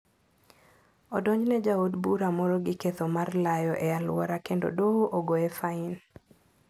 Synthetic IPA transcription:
ɔdɔɲd͡ʒnɛd͡ʒaodbuɾamɔɾɔɡɪket̪omarlajɔʔɛalʊ̰wɔ̰ɾakendo̰dooʔoɡoɛfaɪn

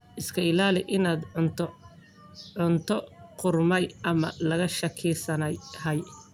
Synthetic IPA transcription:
ʔɪskʰɐɪlaːlɪʔɪnaːd̪ | ʕʊnt̪ʰɔqʊrmɛjʔɐmɐ̰lɐɣɐʃɐkʰɪːsɐnɛjhɐj

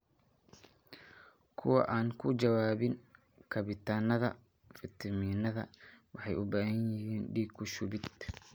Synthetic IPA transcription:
kʰʊwɐ̰ʔaːŋkʰʊd͡ʒɐwaːβɪn | kʰɐβɪt̪ʰaːnɐðɐ̰ | fɪt̪ʰɐminɐðɐ̰wɑħɑjʊbɐːhɐnjɪɦiːnɖiːɡkʰʊʃʊβɪd̪

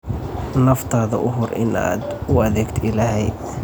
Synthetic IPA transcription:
nɐft̪ʰaːðɐ̰ʔʊɦʊrʔɪ̰na̰ːd̪ʊɐðɛːɡt̪ʰɪlaːɦɛj

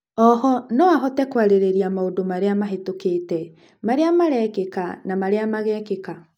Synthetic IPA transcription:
ɔhɔnɔaɦɔtɛkwaɾeɾeɾiamaodomaɾeamaɦetoketɛ | maɾeamaɾɛkeka̰namaɾeamaɣɛkeka

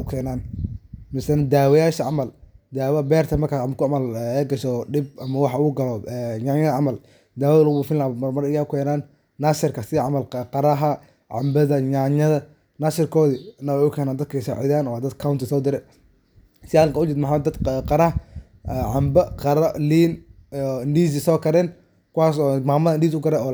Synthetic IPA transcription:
ʊkʰɛːnaːnmɪsɐnɐd̪aːwɔjaːʃɐʕɑmɐld̪aːwɐbɛːrt̪ʰɐmɐrkʰaːʕɑmɐkʰʊʕɑmɐlɛːɡɐʃɔɖɪb̚ɐmɐwɑħʊɣʊɡɐlɔɛːɲaɲɐɐʕɑmɐl | d̪aːwɐðlɐɣufɪlaːmɐrmɐɾɪjaʊkʰɛːnaːnː | asɪrkʰɐsɪʕɑmɐlqɑɾɐɦɐ | ʕɑ̰mbɐðɐɲaɲɐðɐ | nasɪrkʰɔːðinɐwɛʊkʰɛːnaːnd̪ɐd̪̚kʰɐsaʕɪðaːnɔːd̪ɐd̪kʰawnt̪ʰɪsɔːd̪ɪɾɛ | sɪaːɐŋkɐʊt͡ʃɪt̪mħaːd̪ɐd̪qɑɾɐɦ | ɛʕɑmbɐqɑɾɐliːnː | nɖiːs̬ɪsɔːkʰɐɾɛn | kʊwaːsɔːmaːmɐðɐndiːs̬ʊɡɐɾɛɔː

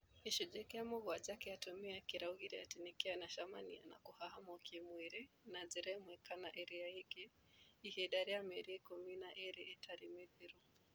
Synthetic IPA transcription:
iʃud͡ʒɛkɛamɔɣɔad͡ʒakɛatɔmiakiɾauɣiɾɛa̰tinikɛanaʃamania̰na̰kuhahamɔkʰimwiɾɛ | naziɾɛmwɛkanaʔɛɾiaikɛ | ihɛɗaɾiamɛɾikɔminaʔɛɾiɛtʰaɾimɛpiɾu

